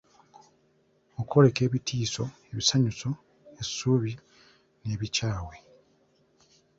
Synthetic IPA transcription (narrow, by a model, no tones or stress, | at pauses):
okʰo̞ɾe̞ke̞ːβitʰiːso̞e̞βisaɲuso̞ | esːuːβi | ne̞ːβicaːwe̞